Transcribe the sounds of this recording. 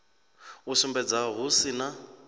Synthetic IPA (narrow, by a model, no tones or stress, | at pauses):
ʊsumbɛd͡zaɦʊsina